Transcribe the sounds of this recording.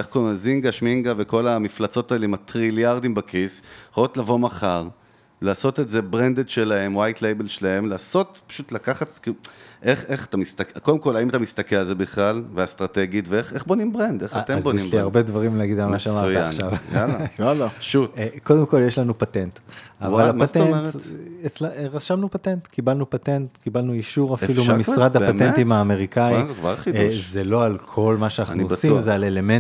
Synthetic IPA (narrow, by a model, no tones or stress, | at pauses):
eχkomaziŋɡaʃmiŋɡaveko̞lamiflat͡so̞taeleimatʁiljaʁd̪imbakʰisχalot̪lavo̞maχaʁ | laːso̞tetze̞bʁend̪edʃe̞lahe̞mwajtlejbe̞lʃelae̞mlaːso̞t̪pḁʃut̪lakaχat̪kiuʔe̞χe̞χḁtamist̪akkod̪emko̞laimatamist̪akelalze̞biχlalveast̪ʁat̪eɡit̪veeχeχbonimbʁend̪eχatezbojeʃiaʁbe̞d̪vaʁimleaɡid̪almaʃeamaʁaaʃavjalajalaʃutko̞demko̞ljeʃlanupatent̪avalapat̪eneʁet͡slʁaʃamnupatent̪kibalnupatentkibalnuiʃuʁafilumamisʁad̪hapatent̪imaːme̞ʁikaikva̰ʁχizelo̞alkʰo̞lmaʃeanaχnuiuosimzealele̞men